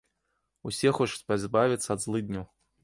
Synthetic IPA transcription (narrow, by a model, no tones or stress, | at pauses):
usʲɛxɔt͡ʂu̥t͡sʲpazʲbavʲit̪sːɐɐd̪zlˠɨd̪̚ʲnʲɔw